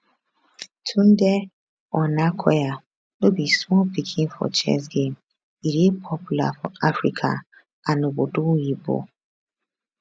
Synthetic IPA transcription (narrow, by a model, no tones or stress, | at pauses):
tʰun̩de | ɔnakʰɔ̰ja | nobismɔlpikʰinfɔ̰t͡ʃɛ̰s̬ɡem | iɾepʰɔpula̰fɔ̰afɾḭkʰa̰ | anobodoibo̰